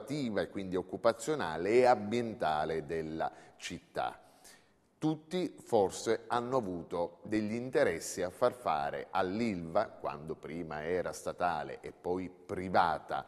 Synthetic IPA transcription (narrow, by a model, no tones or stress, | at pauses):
t̪iːvaekːwind̪iokːupat̪sːjonaːleɛabjent̪aːled̪elːa̰t͡ʃit̪ːa̰ | t̪ut̪ːiforseanːoavuːt̪od̪eʎːiint̪eɾɛsːiafːarfa̰ːɾḛʔalːilvakwa̰nd̪opɾiːmaɛːɾast̪at̪aːlḛʔepːɔjpɾivaːt̪a̰